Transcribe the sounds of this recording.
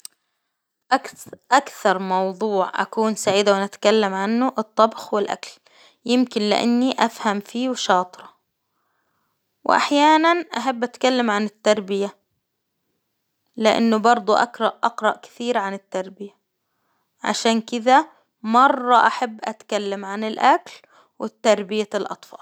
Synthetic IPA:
ʔʔakθɑɾˤmɑwðˤuːʕʔa̰kuːnsaʕiːd̪awɪnat̪kalːamʕanːʊʔɨt̪ˤːɑbxwɪlʔa̰kl | jɪmkɪnlɪ̰ʔa̰nːiʔafhamfiːwʃɑːt̪ˤɾɑ | wʔa̰ħjaːnanʔaħabːʔat̪kalːamʕanɪt̪ːɑɾˤbɪja | lɪʔa̰nːʊbɑɾˤd̪ˤuʔa̰kɾˤɑʔʔɑqɾˤɑʔkɪ̥θiːɾʕanɪt̪ːɑɾˤbɪja | ʕa̰ʃaːnkɪd̪a | mɑrˤːɑʔaħabːʔat̪kalːamʕanɪlʔakl | wɪt̪ːɑɾˤbɪjalʔɑ̰t̪ˤfɑ̰ːl

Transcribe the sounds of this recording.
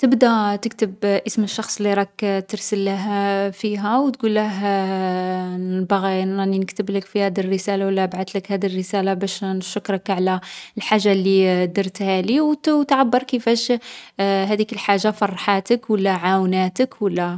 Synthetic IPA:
t̪əbd̪æt̪əkt̪əbʔəsməʃːɑxsˤlːiɾˤɑkt̪əɾsəlːæɦfiɦæwt̪ɡulːəɦ | nbaɣinæninəkt̪əbləkfihæd̪irːəsælawəlːæbʕat̪ləkhæd̪irːəsælabæʃnʃʊkːɾˤɑkʕlælħaʒːalːid̪əɾˤt̪hæliwwt̪ʕabːəɾˤkəfæʃ | ɦæd̪ikəlħaʒːafɑrˤːħat̪əkwəlːæʕawnæt̪əkwəlːæ

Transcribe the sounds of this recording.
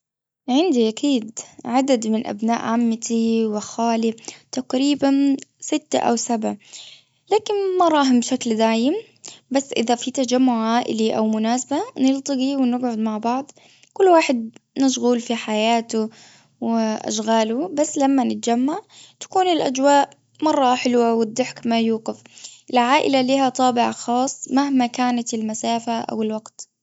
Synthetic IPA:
ʕɪnd̪iʔakʰiːd̪ʕad̪ad̪mɪnʔa̰bna̰ːʔʕamːat̪ʰiwɪxaːlɪt̪aqɾiːbansɪt̪ːa̰ʔa̰wsabʕa | laːkɪnmɑɾˤɑːɦmbʃakld̪aːjɪm | basːʔɪðafit̪ad͡ʒamːʊʕʕaːʔɪliʔawmʊnaːsabanɪlt̪ˤɨɡiwɪnɪɡʕʊd̪maʕbɑʕd̪ˤ | kʊlːwaːħɪd̪̚naʃ̬ɣuːlfiħajaːt̪ʊ | wʔa̰ʃɣaːlʊbasːlamːanɪt̪̚d͡ʒamːaʕt̪ḁkuːnɪlʔad͡ʒwaːʔ | mɑrˤːɑħɪlwawɪd̪ːɪħkmajuːɡɪfʔɪlʕaːʔɪ̰laliːhat̪ˤɑːbɪʕaxɑːsˤːmahmakaːnat̪ɪlmasaːfaʔa̰wɪlwaɡt̪

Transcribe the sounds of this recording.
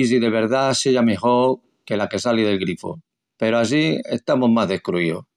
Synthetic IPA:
s̬iðe̞β̞e̞ɾðaseʝame̞xoɾ | ke̞lake̞salið̞e̞lɣɾifo̰ | pe̞ɾoas̬ie̞̰ht̪amo̞ɦmaɦðe̞hkɾuio̰

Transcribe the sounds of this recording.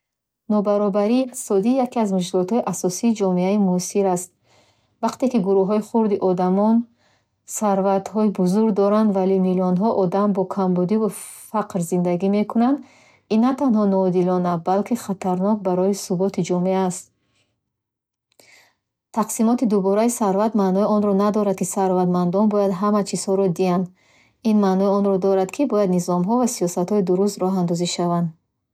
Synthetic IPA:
nɔbaɾɔbaɾisɔd̪iːjakiazmuʃkilɔt̪hɔiʔasɔsiːd͡ʒɔmeaimusiɾast̪̚ | vaqt̪e̞kiɡuɾuɦɔiχuɾd̪iʔɔd̪amɔn | saɾvat̪hɔibuzuɾɡd̪ɔɾand̪valinilɔnɦɔʔɔd̪ambɔkʰambud̪ivufaqɾzind̪aɡime̞kʰunand̪ | inːat̪anɦɔnɔːd̪ilɔnabalkʰiχat̪ʰaɾnɔk̚baɾɔjisubɔt̪ʰid͡ʒɔmeaːst̪ | t̪ʰaqsimɔt̪id̪ubɔɾaisaɾvat̪manɔiɔnɾɔnad̪ɔɾad̪̚kʰisaɾvad̪mand̪ɔnbɔjad̪ɦamat͡ʃʰiz̥hɔɾɔd̪iand̪ | inmanɔiɔnɾɔd̪ɔɾad̪kʰibɔjad̪nizɔmɦɔvasijɔsat̪hɔid̪uɾust̪ɾɔɦand̪ɔziʃavand̪

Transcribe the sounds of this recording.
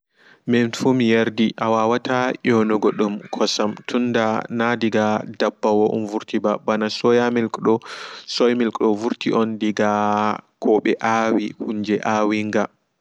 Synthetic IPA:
mɛnfumijeɾdiʔawawatʰajɔnɔɡɔɗumkʰɔsamtʰunːdanadiɡadabːawɔʔṵnvuɾtibabanasɔjamɛlkɗɔsɔjmilkʼɗɔvuɾtiʔɔndiɡakʰɔɓɛ̰ʔawihuɲd͡ʒɛʔaːwiŋɡa

